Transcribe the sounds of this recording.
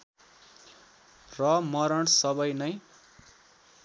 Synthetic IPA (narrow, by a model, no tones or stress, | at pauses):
rʌmʌɾʌɽsʌbʌjnʌj